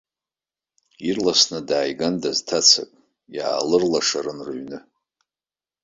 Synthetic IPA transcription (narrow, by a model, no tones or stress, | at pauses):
irlasnadaːjɡandaztʰat͡sʰa̰kʼ | ja̰ːlɨrlaʂaɾɨnrɥnɨ